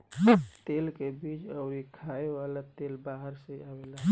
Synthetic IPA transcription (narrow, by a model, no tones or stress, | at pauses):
t̪eːlkebiːt͡ʃəʊɾikʰaewalat̪eːlbaɦəɾseawela